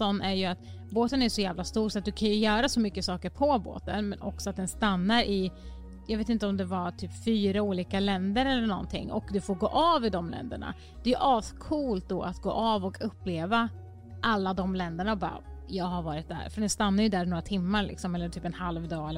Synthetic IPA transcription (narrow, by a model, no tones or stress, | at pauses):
ɔnʔæɾjɵat̪ | boːt̪ənæɾjsɔjæːvlast̪uːɾʂat̪̚d̪ɵkʰanjɵjœːɾasɔmʏkːəsɑːkəɾpʰɔbo̰ːt̪ənmɛnʔɔ̰ksɔat̪̚d̪ɛnst̪anːaɾɪ | jɑveːt̪ɪnt̪əɔmd̪ɛvaʈ̪ʰyːpfyːɾauːliːkalɛnd̪əɾɛlːəɳɔ̰nt̪ʰɪ̰ŋːʔɔ̰kd̪ɵfɔɡo̰ːʔɑːvɪd̪ɔmlʔɛ̰nd̪ə̰ɳa̰ | d̪̥ɛːjɵʔɑːskʰuːlt̪̚d̪ɔ̰at̪ɡo̰ːʔɑvɔkʰɵpːleːva | ʔalːad̪ɔmlɛnd̪əɳaɔbɑ̰ːɾa̰jɑːɡhaɾvɑːɾɪt̪̚d̪æ̰ːɾfœɖɛnst̪anːaɾjɵd̪æːɾnoːɾat̪ʰɪmːaɾɭʔɪ̰ksɔmɛlːəʈʰyːpɛnhalvd̪ɑːɛlːə